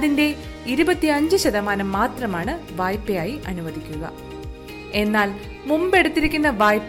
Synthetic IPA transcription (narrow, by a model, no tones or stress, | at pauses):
ðinde̞ | iɾubɐt̪ːiɐɲd͡ʑɨɕɐðɐmaːnɐmːaːt̪rɐmaːɳɨʋaːjpːɐjaːjiʔɐnuʋɐðʱikʲːuɣɐ̰ | e̞nːaːl | mumbe̞ɽut̪ːiɾikʲːunːɐʋaːjpː